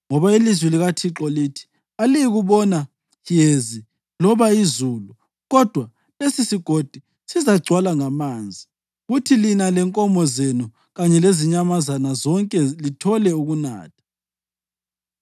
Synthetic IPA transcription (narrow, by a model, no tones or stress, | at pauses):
ŋɔβailizwɛliɣatʰiǁɔliːtʰi̥ | alijiɣuβɔna | jezi | lɔβaizuːlu | ɣɔd̥ʱwa | lesisiɡ̥ʱod̥ʱi | sizaɡ͡ǀʱwalaŋamaːnd͡zʱi | ɣutʰilinalɛŋkʼɔmɔzenu | ɣaɲɛleziɲamazanazɔŋkʼɛlitʰɔlɛuɣuna̰ːtʰḁ